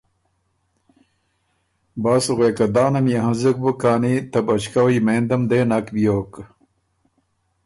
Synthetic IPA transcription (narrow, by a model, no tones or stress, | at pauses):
baːsuɣweːkɐd̪aːnɐmjɐɦɐ̃zɐk̚bəkaːnit̪ɐbɐt͡ɕkɐwɐimeːnd̪ɐmd̪eːnɐkbijoːk